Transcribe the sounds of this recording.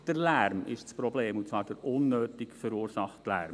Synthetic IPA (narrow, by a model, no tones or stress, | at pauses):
d̥əɾlæɾmɪ̰ʃt͡spɾɔbleːmut͡svɑːɾd̥əɾʊnːøːtɪkfəɾuːɾsɑχtlæ̰ɾm